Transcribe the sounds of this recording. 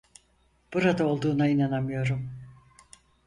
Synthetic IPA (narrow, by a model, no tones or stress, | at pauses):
b̥uɾad̪ao̞lˠd̪uːnainanamɯjo̞ɾum